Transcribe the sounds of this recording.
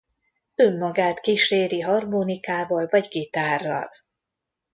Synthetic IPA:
ø̞mːɒɡaːt̪kiʃeːɾiɦɒrmoːnikaːvɒlvɒɟɡit̪aːrːɒ̰l

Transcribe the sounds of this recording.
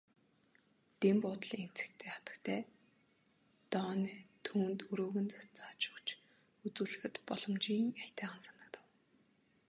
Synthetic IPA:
t̪empʊːt̪ɮien̥t͡sɘ̥̆kt̪ʰeːχat̪ə̥̆kt̪ʰæː | t̪ɔːnt̪ʰuːnt̪ɵɾoːɣɘ̆nt͡sat͡saːt͡ɕʊ̥kt͡ɕ | ut͡suːɮɘ̆xɘ̆t̪pɔɮɞ̆mt͡ɕiːŋat̪æːʁə̆nsanə̆kt̪ə̆w

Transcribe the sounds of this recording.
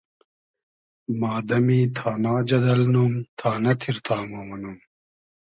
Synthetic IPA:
maːd̪ɐmiːt̪ʰaːnaːd͡ʑɐd̪ɐlnumt̪ʰaːnɐt̪ʰiɾt̪ʰaːmomɐnum

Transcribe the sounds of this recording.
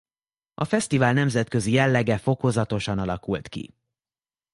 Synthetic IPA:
ɒfɛst̪ivaːlnɛmzɛt̪kø̞zijɛlːɛɡɛfo̞ko̞zɒt̪o̞ʃɒnɒlɒkult̪kḭ

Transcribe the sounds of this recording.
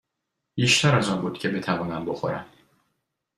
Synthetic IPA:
b̥iːʃt̪æɾæzɒːnbuːd̪̚cʰe̞be̞t̪ʰævɒːnæmbo̞xo̞̰ɾæ̰m

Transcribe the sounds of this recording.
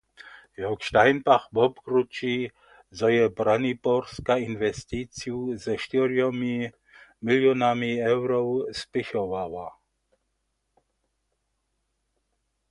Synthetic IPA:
jɔwkʃt̪ajnpaxbɔbkɾut͡ʃi | zɔjɛbɾanipɔrskainvɛst̪it͡sijuzɛʃt̪iɾjɔmi | miljɔnamiɛwɾɔwspɪxɔvava

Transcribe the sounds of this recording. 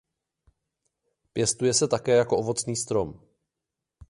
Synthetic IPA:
pjɛst̪ujɛsɛt̪akɛːjako̞ʔovo̞t͡sniːst̪ɾo̞m

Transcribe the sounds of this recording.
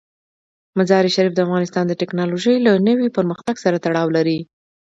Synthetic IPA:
mazɑɾiʃaɾifd̪əafɣɑnɪst̪ɑnd̪əʈɪknɑloʒəjlanəwipəɾməxt̪aɡsaɾat̪aɽɑwlaɾi

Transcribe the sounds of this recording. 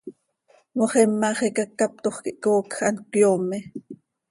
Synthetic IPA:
moχɛmːɑːχekakːap̚t̪oχkiʔkoːkxʔɑnkjoːme

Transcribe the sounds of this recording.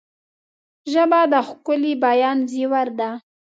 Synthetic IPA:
ʒəbad̪əxkʊlibajɑnziwaɾd̪a

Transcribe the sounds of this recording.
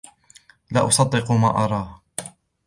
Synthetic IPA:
la̰ːʔʊsˤɑd̪ˤːɪquma̰ːʔɑɾˤɑː

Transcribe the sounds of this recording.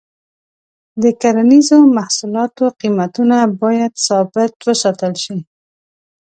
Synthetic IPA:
d̪əkaɾanizomahsulɑt̪oqimat̪unabɑjad̪sɑbɪt̪wəsɑt̪əlʃi

